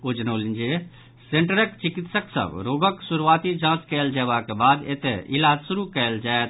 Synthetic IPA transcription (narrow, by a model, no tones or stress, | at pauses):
od͡ʒnoːlind͡ʒe | sẽɳʈəɾəkt͡ʃɪkɪt̪səksɐ̰bɾoːɡəksuɾuʋaːt̪id͡ʒãːt͡ʃkɛːld͡ʒɛːʋakebaːd̪ḛt̪eɪlaːd͡ʒsʊɾukɛːld͡ʒaːet̪